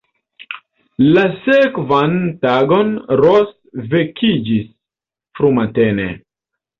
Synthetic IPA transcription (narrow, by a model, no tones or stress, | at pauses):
lasekvantaɡo̞nɾos | vekʰid͡ʒis | fɾumatenḛ